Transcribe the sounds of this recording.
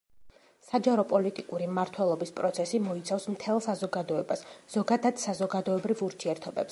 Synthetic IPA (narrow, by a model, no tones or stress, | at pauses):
sad͡ʒaɾɔpʼɔlit̪ʼikʼuɾimmaɾt̪ʰwɛlˠɔbispʼɾɔt̪sʰɛsimɔit̪sʰafsmt̪ʰɛlˠsazɔɡad̪ɔɛbasz̥ɔɡad̪ad̪̥sazɔɡad̪ɔɛbɾivuɾt̪ʰiɛɾt̪ʰɔbɛps